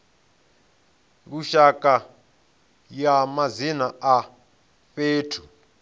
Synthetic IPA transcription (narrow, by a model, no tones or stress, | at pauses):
k̬uʃakʼa | jamazinaa | feːtʰu̥